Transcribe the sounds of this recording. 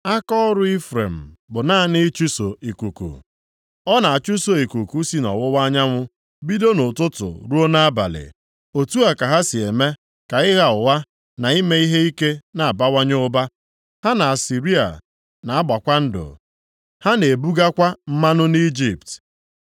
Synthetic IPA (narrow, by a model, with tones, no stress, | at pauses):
a˦kɔ˦ɾʊ˦i˦fɾḛ˨m̩˨bʊ˨na˦nɪ˦t͡ʃu˦so˨i˨ku˨kṵ˨ | ɔ˦na˨a˨t͡ʃu˦so˨i˨ku˨ku˨˦si˦nɔ̰˨wʊ˦wa˦ɲa˦ŋʷʊ˦ | bi˦do˦nʊ˨tʊ˦tʊ̰˨ɾu˦o˦na˦ba̰˨lɪ̰˨ | o˨tu˦a˨ka˨ɦa˦si˨e˨me˦ | ka˨ɪ˦ɣa˨ʊ˨wa˦ | na˨i˦me˦i˦ɦe˦i˦ke˦na˨a˨ba˦wʷa˦ɲ˦ʊ˦ba˦ | ha˦na˨a˨si˨ɾi˦a̰˨ | na˨a˦ba˨kʷa˦n̩˦dʊ̰˨ | ha˦ne˨bu˦ɡa˦kʷa˦m̩˦ma˦nʊ˦ni˦d͡ʒi˦˨pt